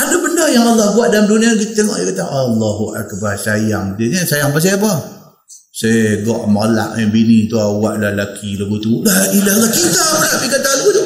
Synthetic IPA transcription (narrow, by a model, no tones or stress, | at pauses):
adəbəndəjaŋalːɑhbuaʔ̚dalamduniak̬it̪t̪ːeŋɔ̰ʔjakat̪aŋʔalːɔɦuʔa̰kbasajaŋdiɲəsajaŋbas̬ajapa | sajɡɔ̰ʔmala̰ʔɲəbinit̪uawaʔlahlakʰiləɡut̪ulailaɦlːahkit̪amlapikat̪aləɡut̪u